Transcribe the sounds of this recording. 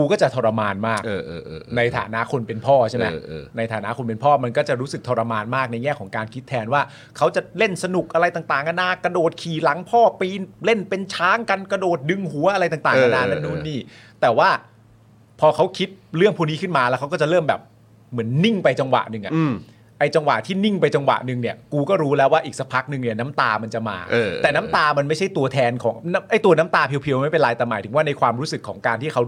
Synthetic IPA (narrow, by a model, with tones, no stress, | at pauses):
kuː˧kɔː˥˩t͡ɕa˨˩t̪ʰoː˧ɾa˧maː˧nmaː˥˩kːʔːna˧jt̪ʰa̰ː˩˦na˦˥ʔkʰo˧npe˧npʰɔː˥˩t͡ɕʰe˥˩mɛː˦˥˧na˧jt̪ʰaː˩˦na˦˥kʰo˧npe˧npʰɔː˥˩ma˧nkɔː˥˩t͡ɕa˨˩ɾu˦˥sɯ˨˩k̚t̪ʰoː˧ɾa˧maː˧nmaː˥˩k̚na˧jŋɛː˥˩kʰɔː˩˦ŋkaː˧nkʰi˦˥t̪ʰːɛː˧nwaː˥˩ | kʰa˦˥wt͡ɕa˨˩le˥˩nsa˧nu˨˩k̚ʔa˧ɾa˧jt̪aː˨˩ŋt̪aː˨˩ŋʔa˧naː˧ka˧doː˨˩t̪̚kʰiː˨˩la˩˦ŋpʰɔː˥˩piː˧nle˥˩npe˧nt͡ɕʰaː˦˥ŋka˧nka˧doː˨˩t̪̚dɯ˧ŋɦu˨˩˦ɐʔa˧ɾa˧jt̪aː˨˩ŋt̪aː˨˩ŋʔa˧naː˧˩a˧nuː˦˥˩niː˥˩ | t̪ɛː˨˩waː˥˩ | pʰɔː˧kʰa˦˥wkʰi˦˥t̪̚ɾɯ˥˩əŋpʰuː˥˩˧niː˦˥kʰɯ˥˩nmaː˧lɛ˦˥kʰa˦˥wkɔː˥˩t͡ɕa˨˩ʔlɤː˥˩mbɛ̰ː˨˩p̚ | mɯ˩˦ənːi˥˩ŋpa˧jt͡ɕa˧ŋwa̰˨˩ʔnɯ˨˩ŋʔa̰˨˩ʔ | ʔa˧jt͡ɕa˧ŋwa̰˨˩t̪ʰiː˥˩ni˥˩ŋpa˧jt͡ɕa˧ŋwa̰˨˩ʔnɯ˧ŋni˥˩əkuː˧kɔː˥˩ɾuː˦˥lɛː˦˥waː˥˩ʔiː˨˩k̚sa˧pʰa˦˥k̚nɯ˧ŋni˥˩ɐna˦˥mt̪aː˧ma˧nt͡ɕa˨˩ma̰ː˧ʔ̪ːɛː˨˩naː˦˥mt̪aː˧ma˧nma˥˩jt͡ɕʰa˥˩jt̪u˧ɐt̪ʰɛː˧nkʰɔ̰ː˩˦ŋna˦˥ʔa˥˩jt̪u˧ɐna˦˥mt̪aː˧pʰi˧wpʰi˧wma˥˩jpe˧nlaː˧jt̪ɛ˨˩maː˨˩˦j̪ʰɯ˩˦waː˥˩na˧jkʰwaː˧mɾuː˦˥sɯ˨˩kʰːɔ̰ː˩˦ŋkaː˧nt̪ʰiː˥˩kʰa˦˥